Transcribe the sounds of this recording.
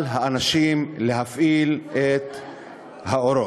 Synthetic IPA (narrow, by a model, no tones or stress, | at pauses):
lɦaanaʃimle̞ɦafʔilʔet̪ | haoɾo